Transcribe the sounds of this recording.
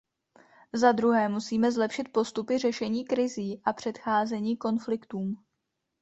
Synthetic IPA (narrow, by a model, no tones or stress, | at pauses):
zad̪ɾuɦɛːmusiːmɛzlɛpʃɪt̪̚po̞st̪upɪr̝ɛʃɛɲiːkɾɪziːʔapr̝̥ɛt̪xaːzɛɲiːko̞nflɪkt̪uːm